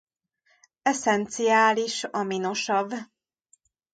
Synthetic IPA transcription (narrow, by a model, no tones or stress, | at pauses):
ɛsɛnt̪sijaːliʃɒmino̞ʃɒb